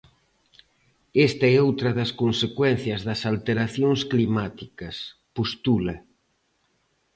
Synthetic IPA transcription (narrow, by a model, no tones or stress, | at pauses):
est̪ɐɛowt̪ɾɐðɐskonsekwɛnθjɐzðɐsalt̪eɾaθjoŋsklimat̪ikɐspost̪ulɐ